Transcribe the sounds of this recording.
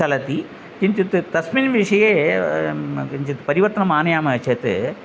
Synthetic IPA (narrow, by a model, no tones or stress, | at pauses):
ɐlɐt̪i | t͡ʃiɲt͡ʃit̪ːɨt̪ɐsminʋɪʂɐjeː | iɲt͡ʃit̪ːɨ̥pɐɾɪʋɐt̪ːɐnɐmaːnɐjaːmɐt͡ʃet̪ːɯ̰